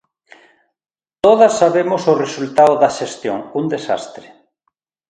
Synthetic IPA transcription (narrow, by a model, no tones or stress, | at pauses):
t̪oð̞ɐsːaβemosʊresult̪aoðɐʃest̪joŋund̪esa̰st̪ɾe